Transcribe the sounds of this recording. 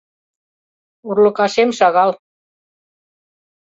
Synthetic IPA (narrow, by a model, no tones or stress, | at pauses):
uɾlukasemsaɣal